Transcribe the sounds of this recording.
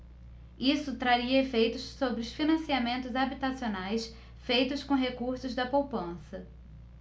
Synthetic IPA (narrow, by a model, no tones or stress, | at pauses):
isʊt̪ɾaɾiɐefejt̪ʊssobɾɪʊsfinɐ̃siamẽnt̪ʊzabit̪asionajs | fejt̪ʊskõɦekuɾsʊzd̪ɐpowpɐ̃sɐ